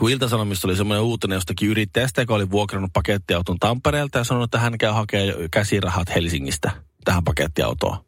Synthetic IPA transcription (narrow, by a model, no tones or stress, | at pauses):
kuilt̪ɑsɑnomist̪olisemːoneuːt̪ːˑenejost̪ɑkiyɾit̪ːeæst̪æjokæoliʋuokrɑnːuppɑket̪ːiɑwt̪ont̪ɑmpːeɾeːlt̪ɑjɑsɑnonuet̪ːæɦænkæyhɑkeːkæsirɑhɑt̪helsiŋːist̪æt̪æhæmpɑket̪ːiɑ̰ut̪o̰ː